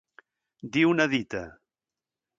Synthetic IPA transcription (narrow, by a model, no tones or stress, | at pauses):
d̪iunɐðit̪ɐ